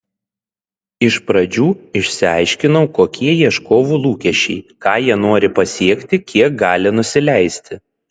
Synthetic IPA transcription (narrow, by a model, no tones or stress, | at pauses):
ɪʃpɾɐd͡ʒʲuːɪʃʲsʲɪɑˑɪʃʲkʲɪnɔʊkoːkʲʰiɛjiɛʃkoːʋuːlˠuːkʲɛʃʲɛɪkɑːjiɛnoːɾʲɪpɐsʲiɛkʲt̪ʲɪkʲiɛk̚ɡɑːlʲɪnʊsʲɪlʲæˑɪsʲt̪ʲɪ